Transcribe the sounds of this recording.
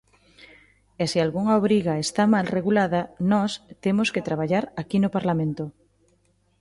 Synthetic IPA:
esialɣuŋaoβɾiɣaest̪amalreɣulaðanɔst̪emosket̪ɾaβ̞aʎaɾakinopaɾlamẽnt̪o

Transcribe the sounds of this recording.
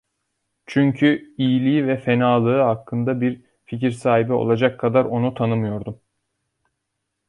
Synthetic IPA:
t͡ʃʰyɲcʰyijlʲiːivɛfe̞naːlˠɯɯɦakʰːɯnd̪abiɾ | ficiɾsaːɦibio̞̰lˠad͡ʒakʰːad̪aɾo̞nut̪ʰanɯmɯjo̞ɾd̪um

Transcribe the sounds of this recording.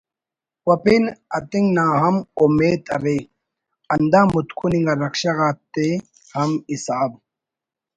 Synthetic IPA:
wɐpinɐt̪iŋɡnãːɦɐmumeːt̪ɐɾe | ɐnd̪aːmut̪kʰuniŋɡaɾɐkɕaɣaːt̪ːe | hɐmisaːb

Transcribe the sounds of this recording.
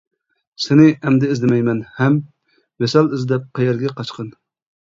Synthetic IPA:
sɪnɪɛmd̪ɛːzlɪmɛjmɛnhɛm | wesɛlˠɪzd̪ɛp̚qʰɑjɛɾɡʲɛqʰɑt͡ʃqən

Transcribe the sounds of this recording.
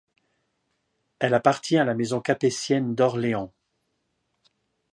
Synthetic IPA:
ɛlapaʁt̪jɛ̃alamezɔ̃kapesjɛnd̪ɔʁleɑ̃

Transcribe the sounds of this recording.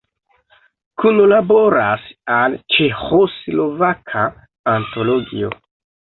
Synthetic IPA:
kunolabo̞ɾasalt͡ʃexoslo̞vakʰaː | nto̞loɡḭo̞̰

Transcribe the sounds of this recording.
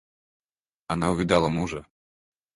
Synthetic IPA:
anaʊvʲid̪alˠɐmuʐɐ

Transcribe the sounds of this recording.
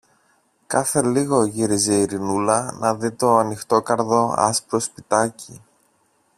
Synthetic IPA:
kɐθe̞liɣo̞ʝiɾize̞iɾinulɐnɐðit̪o̞ɐnixt̪o̞kɐɾðo̞ɐ̰spɾo̞spit̪ɐci

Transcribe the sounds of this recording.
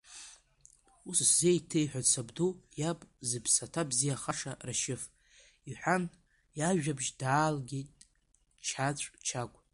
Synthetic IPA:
usszejtʰejħʷᶣat͡sʰabdujapʼzɨpʰsatʰabzijaχaʂaraʃɪf | iħʷᶣan | jaʒᶣabʒdaːlɡʲejtʼ | t͡ʃʰat͡ɕʷʼt͡ʃʰakʷʼ

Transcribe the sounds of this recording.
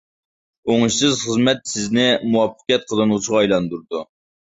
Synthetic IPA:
oŋɨʃsɨzχəzmɛt̪sɪznɪmuwɑpʰːə̥qʲijɛt̪̚qʰəlˠɨnulˠt͡ʃʰiʁɑːjlˠɑnd̪uɾd̪u

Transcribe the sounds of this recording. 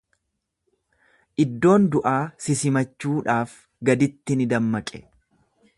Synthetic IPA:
ʔɪd̪ːo̞ːnd̪ʊʔaːsɪsɪmɐt͡ʃːuːᶑaːf | ɡɐd̪ɪt̪ːɪnɪd̪ɐmːɐkʼɛ̥

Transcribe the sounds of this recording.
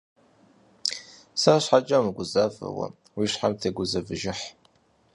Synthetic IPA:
sɐraɕħat͡ʃʼɐmɨɡʷʊzaːfɐ̰wɐ̰ | wiːɕħamtʰeɡʷʊzɐvɨʒɪħ

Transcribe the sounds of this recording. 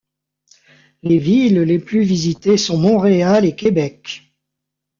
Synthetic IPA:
levilleplyvizit̪esɔ̃mɔ̃ʁealekʲebɛk

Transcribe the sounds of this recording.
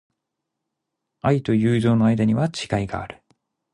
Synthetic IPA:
ait̪o̞jɯːʑo̞ːno̞ajd̪aɲ̟iβat͡ɕi̥kaiɡa̰ːɾɯ̟̥

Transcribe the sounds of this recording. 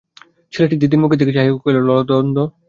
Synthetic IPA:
t͡ɕʰeleʈid̪id̪̬iɾmuked̪ekʰet͡ɕʰaɦiokojlolɔlot̪ɔnd̪o

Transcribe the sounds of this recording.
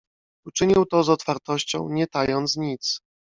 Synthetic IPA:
ut͡ʂɘɲiwt̪ɔzɔt̪faɾt̪ɔɕt͡ɕɔ̰̃w̃ɲɛt̪ajɔnt̪sɲit̪s

